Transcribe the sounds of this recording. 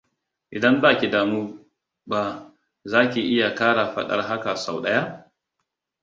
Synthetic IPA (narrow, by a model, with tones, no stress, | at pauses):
ʔɪ˨dɐ˦mbaː˦˨kʲi˨daː˨muː˦ | ba˦ | zaː˦kʲi˨ʔɪ˦ja˨kaː˦ɽa˨ɸɐ̰˦ɗɐ̰˦rɦa˦ka˨sa˨wɗɐ˦ja˦